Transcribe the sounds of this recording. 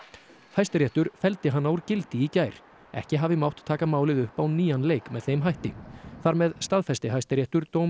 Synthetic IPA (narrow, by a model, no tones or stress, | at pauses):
fajst̪ɪɾjɛht̪ʏɾ̥fɛlt̪ɪɦanːawɾcɪlt̪ɪicaːjɾ̥ | ɛ̰hcɪɦaːvɪmawht̪t̪ʰːaːkamaːwlɪðʏhpawniːanleːjkmɛðθejmɦajht̪ɪ̰ŋθaɾmɛðst̪aðfajst̪ɪɦajst̪ɪɾɛht̪ʏɾt̪oːwm